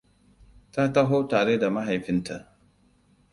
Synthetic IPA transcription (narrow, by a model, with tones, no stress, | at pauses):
ta˦ta˦ɦoː˦taː˨ɽe˦da˨ma˦ɦa˨jɸɪ˦ntʰa˦